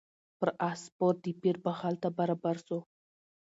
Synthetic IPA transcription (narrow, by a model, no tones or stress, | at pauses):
pəɾʔaspoɾ̚d̪ipiɾbəhalt̪abaɾɑbaɾso